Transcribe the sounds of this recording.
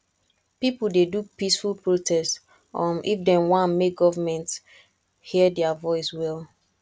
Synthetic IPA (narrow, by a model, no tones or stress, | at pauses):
pipl̩dedupisfulpɹotʰɛst | ɔ̃nʔḭfdɛ̃nwãnmek̚ɡɔvamɛ̃nt | hiədɛavɔɪswɛlˠ